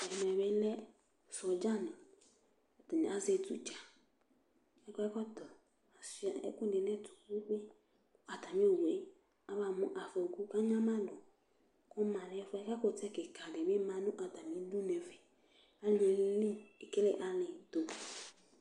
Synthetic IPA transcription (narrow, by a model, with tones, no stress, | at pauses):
ɛ˨mɛ˨be˦lɛ˦ | sɔ˨d͡ʒa˦nʊ˨ | ɛ˨tɔ˨nɛ˨a˦ze˨tṵ˨t͡ʃa˨ | ɛ˦kɔ˦ɛ˦kɔ˦tɔ˨ | a˨sa˨ɛ̰˦kʊ˦dɪ˨nɛ˦tu̥˨ku˦k͡pɪ˦ | a˨ta˨mĩ˦o˨we˦ | a˦βa˨mʊ˦ʔa˨fɔ˨ɡu˦ka˦ɲã˦mã˦dʊ˨ | kʊ˦mã˨lɛ˦fɛ˦ka˦kʊ˨tɛ˦kɪ˨kʰa˨dɪ˨bɪ˦mã˨nʊ̃˦ʔa˨ta˨mi˨˦du˦ne˨vɛ˨ | a˦˨e˨˦li˦e˨ke˦le˦˨ʔa˨lɪ˨to˨